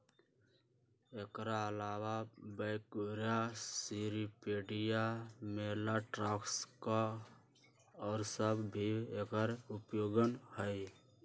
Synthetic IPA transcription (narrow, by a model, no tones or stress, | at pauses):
eːkɾaəlaːwabɛɪkoːɾjasiɾipeːɖijameːlaʈɾaːkska | ɔːɾsəbbʱiekəɾʊpjoːɡənhəj